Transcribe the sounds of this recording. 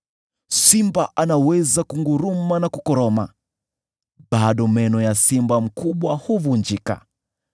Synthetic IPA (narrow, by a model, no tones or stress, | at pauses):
simbaʔanawɛzakuŋɡuɾumanakukɔɾɔma | ɓaɗɔmɛnɔjasimbam̩kuɓwahuvund͡ʒika̰